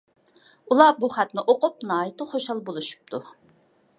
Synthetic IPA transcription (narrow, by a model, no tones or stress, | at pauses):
ulˠɑbuχæt̪nɪʔoqʊp̚nɑːjit̪ʰəχoʃɑlˠbolˠuʃu̥p̚t̪ʰu